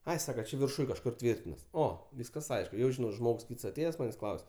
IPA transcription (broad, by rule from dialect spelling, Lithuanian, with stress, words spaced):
ˈɐɪ ˈsɑːkɐ ˈt͡ʃʲɪ ʋʲɪrˈʃʊj kɐʃˈkʊr ˈtʲʋʲiːrʲtʲɪnɐs ˈoː ˈʋʲiːskɐs ˈɐɪʃk jɛʊ ʒʲɪˈnɐʊ ˈʒmoːks ˈkʲiːts ɐˈtʲeːjɛs ˈmɑːnʲeːsʲ ˈklˠɐʊsʲ